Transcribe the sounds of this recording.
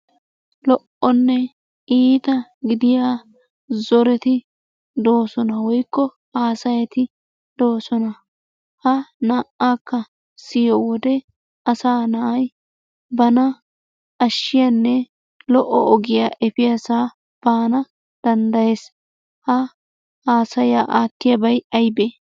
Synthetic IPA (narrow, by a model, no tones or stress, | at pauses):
lɔʔɔnːɛ | ʔiːt̪ɐɡɪd̪ɪjaː | zɔɾɛt̪ɪ | d̪o̞ːsɔnɐwɔjkːɔ | aːsɐjɛt̪ɪ | d̪̥o̞ːsɔnɐ | hɐnaːʔakːɐ | sɪjɔwɔd̪ɛ | ɐsaːnɐʔɐj | bɐnɐ | ɐʃːɪjɐnːɛ | lɔʔɔɔɡɪjaːʔɛpɪjasaː | b̥aːnɐ | d̪̥ɐnd̪ɐjeːs | hɐ | aːsɐjaːʔaːt̪ːɪjɐbɐjɐjbe